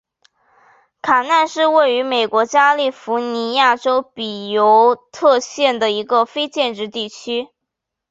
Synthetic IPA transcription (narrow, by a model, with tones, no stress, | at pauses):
kʰa˨˩na˥˧nʂɻ̩˥˧we˥˩ɪy˧˥me˨˩ɪkwɔ˧˥t͡ɕja˥li˥˩fu˧˥ni˧˥ja˥˩ʈ͡ʂo˥ʊpi˨˩jo˧˥ʊt̪ʰɤ˥˧ɕjɛ˥˩nd̪ə˩i˧˥ɡə˧fe˥ɪt͡ɕjɛ˥˧nʈ͡ʂɻ̩˥˧t̪i˥˩t͡ɕʰy˥